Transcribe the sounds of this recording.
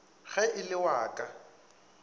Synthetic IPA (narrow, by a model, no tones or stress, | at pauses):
ɣɛʔɪlɪwaːkʼa